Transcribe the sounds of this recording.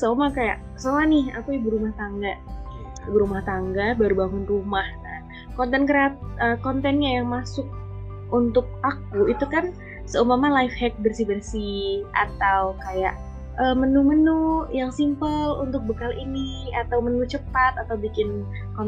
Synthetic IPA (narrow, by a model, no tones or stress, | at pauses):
somakaja̰ʔ | somanɪha̰kujibəɾumaht̪aŋɡa | bəɾumaht̪aŋɡabaɾubaŋʊnrumahna | kɔnt̪ɛnkəɾat̪̚əkɔnt̪ɛnɲajaŋmasʊk̚ | unt̪ʊk̚akuit̪ukan | səumamalaifhɛk̚bərsibərsia̰t̪awkaja̰ʔ | əːmənumənujaŋsimpəlunt̪ʊk̚bəkaliniat̪awmənut͡ʃəpat̪at̪awbikɪn | kɔ